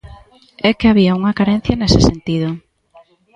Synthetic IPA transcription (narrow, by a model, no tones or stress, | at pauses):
ɛkeaβ̞iɐuŋɐkaɾenθjɐnesɪsent̪iðʊ